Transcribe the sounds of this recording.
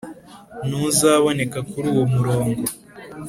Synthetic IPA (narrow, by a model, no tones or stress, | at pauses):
nuzaːβo̞ne̞kakuɾuːwo̞muɾo̞ːŋɡo̞